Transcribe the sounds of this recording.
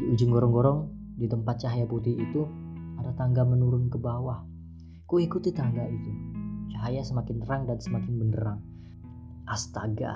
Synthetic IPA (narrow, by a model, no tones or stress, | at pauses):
iud͡ʒɪŋɡɔɾɔŋɡɔɾɔŋ | dit̪əmpat̪̚t͡ʃaɦajaput̪iːt̪u | adat̪aŋɡamənuɾʊnkəbawah | kuikut̪it̪aŋɡait̪ut͡ʃaɦajasəmakɪnəɾaŋdansəmakɪnbəndəɾaŋ | ʔast̪aɡa̰